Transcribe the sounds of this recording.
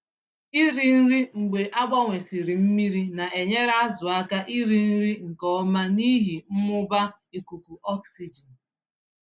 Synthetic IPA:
i˦ɾi˦n̩˦ɾi˦ŋ̩˨ɡ͡be˨ʔa˦ɡ͡ba˦ŋʷe˨si˨ɾi˨m̩˦mi˦ɾi˦na˨ʔe˨ɲe˦ɾa˦zʊ˨a˦ka˦ʔi˦ɾi˦n̩˦ɾi˦ŋ̩˨kɔ˦ma˦ni˦ɦi˨m̩˦mʊ˦ba˦ | i˨ku˨ku˨ɔ˦ksi˨d͡ʒi˨n˨

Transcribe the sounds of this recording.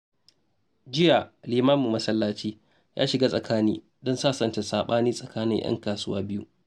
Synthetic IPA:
d͡ʒɪ˦ja˨liː˨maː˦mu˨mːɐ˦sɐ˦lːaː˦t͡ʃiː˦ | jʔa̰ː˦ʃɪ˨ɡaː˦sʼɐ˨kʰaː˦niː˦ | dɔ˦nsaː˦sɐ˨nta˨saː˨ɓaː˦niː˦sʼɐ˨kaː˦nɪ˦j̰ʔɐ̰˦ŋkaː˨sʊ˦waː˦bɪ˦ju˦ʔ

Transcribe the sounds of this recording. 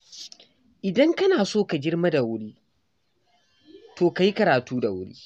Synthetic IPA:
ʔɪ˨dɐ˦ŋkɐ˦naː˨soː˦ka˨d͡ʒɪ˦rma˦da˨wʊ˦ɽiː˦ | toː˨ka˨ji˦kɐ˨ɾaː˨tuː˦da˨wʊ̰˦ɽḭː˦

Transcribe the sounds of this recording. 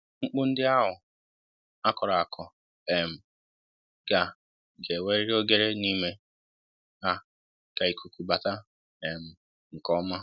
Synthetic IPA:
ŋ͡m̩˦k͡pʊ˦n̩˦dɪ˦a˦ɦʊ˨ | a˦kɔ˨ɾa˨a˨kʰɔ˨ | e˨m̩˨ | ɡ̥a˨ | ɡe˨we˦ɾi˦ɾo˦ɡe˦ɾe˦ni˦me˦ | a˦ | ka˨i˨kʰu˨kʷu˨ba˨ta˦ | e˨m̩˨ | ŋ̩˨kɔ˦ma˦

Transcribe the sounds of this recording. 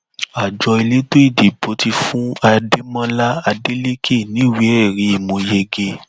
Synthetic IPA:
a˨d͡ʒɔ˧i˧le˦to˦i˦˨di˨bo˨˧˦ti˧fũ˦a˧de˦mã˦la˦a˧de˦le˦ke˦˨nĩ˨˦˨wi˨˦ɛ˦˨ɾi˨˦i˦˨mũ˧je˧ɡe˧

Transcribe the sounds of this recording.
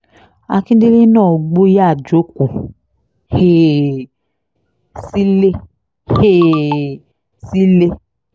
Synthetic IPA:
a˨˧kĩ˦de˦le˦nãː˦˨ɡ͡bo˦ja˦˨d͡ʒo˨˦ku˨ | he˦˨ | si˦le˦ | he˦˨ | si˦le˦

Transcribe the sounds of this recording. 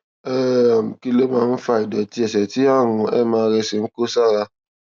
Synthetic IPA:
ɛ˦˨m̩˨ki˧lo˦mãː˧n̩˦fa˧i˨dɔ˨ti˧˦ɛ˨sɛ˨ti˨˦a˦˨w̃ũ˧ɛ˦˨mãː˧ɾɛ˧si˨n̩˦ko˦sa˦˨ɾa˧

